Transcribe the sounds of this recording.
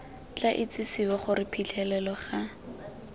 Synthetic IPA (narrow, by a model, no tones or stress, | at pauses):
t͡ɬaʔɪt͡sɪsibɔχʊɾɪpʰit͡ɬʰɛlɛlɔχa